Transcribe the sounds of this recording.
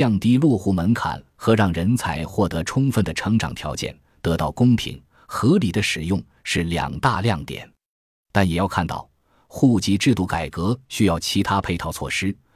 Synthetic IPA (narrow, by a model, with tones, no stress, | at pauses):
jɑ˥˩ŋt̪i˥lwɔ˥˩xu˥˩mə˧˥nkʰa̰˨˩˦n | xɤ˧˥ɻɑ˥˩ŋɻə˧˥nt͡sʰa˧˥ɪxwɔ˥˩t̪ɤ˧˥ʈ͡ʂʰʊ˥ŋfə˥˩nd̪ə˩ʈ͡ʂʰɤ˧˥ŋʈ͡ʂɑ̰˨˩ŋt̪ʰjɑ˧˥ʊt͡ɕjɛ̰˥˩n | t̪ɤ˧˥t̪ɑ˥˩ʊkʊ˥ŋpʰḭ˧˥ŋ | xɤ˧˥li˨˩d̪ə˦ʂɻ̩˨˩jʊ˥˧ŋ | ʂɻ̩˥˩ljɑ̰˨˩ŋt̪a˥˧ljɑ˥˩ŋt̪jɛ̰˨˩˦n | t̪a˥˩njɛ˨˩jɑ˥˧ʊkʰa˥˧nt̪ɑ̰˥˩ʊ | xu˥˩t͡ɕi˧˥ʈ͡ʂɻ̩˥˧t̪u˥˩ka˨˩ɪkɤ˧˥ɕy˥jɑ˥˩ʊt͡ɕʰi˧˥t̪ʰa˥pʰe˥˧ɪt̪ʰɑ˥˧ʊt͡sʰwɔ̰˥˩ʂɻ̩˥